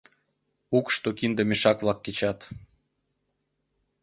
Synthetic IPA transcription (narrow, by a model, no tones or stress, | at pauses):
ukʃt̪okind̪əmeʃɑkβlɑkːet͡ɕɑt̪